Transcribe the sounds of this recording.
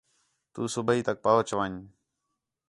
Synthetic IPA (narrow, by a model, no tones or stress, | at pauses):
t̪uːsʊbʱiːt̪ək̚paːoːt͡ʃəʋaːɲ